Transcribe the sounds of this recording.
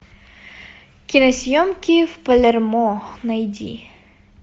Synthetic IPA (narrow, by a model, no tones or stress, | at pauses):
kʲinɐsʲjɔmkʲiwpɐlʲɛrmɔxnɐjdʲḭ